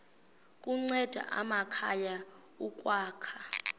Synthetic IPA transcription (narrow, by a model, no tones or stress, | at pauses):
kʼuŋ͡ǀɛd̥ʱa̰ʔa̰makʰaja | ukʼwaːkʰḁ